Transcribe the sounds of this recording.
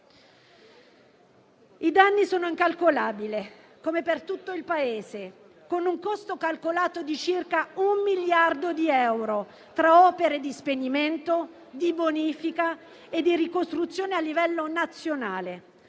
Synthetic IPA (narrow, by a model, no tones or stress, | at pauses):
id̪anːisoːnoiŋkalkolaːbile | komepert̪ut̪ːoilpaeːze | konuŋkost̪okalkolaːt̪od̪it͡ʃirkaumːiljard̪od̪iɛwɾo | t̪ɾaɔːpeɾed̪ispeniment̪o | d̪iboniːfika | ed̪ːiɾikost̪ɾut̪sːjoːnealːivɛlːonat̪sːjonaːle